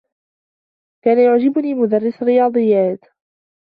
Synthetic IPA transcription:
kaːnajʊʕd͡ʒɪbʊniːmʊd̪ɑrˤːɪsrɪjɑːd̪ˤɨjːaːt̪

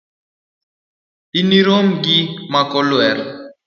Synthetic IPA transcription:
iniɾomɡimakɔlwɛɾ

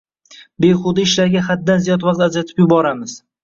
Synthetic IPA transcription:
bejχʊd̪aɪʃlaɾɡʲaχad̪ːanzijɒd̪vaqt̪ad͡ʒat̪ʰɪ̥pjʊbɒɾamɪz̥

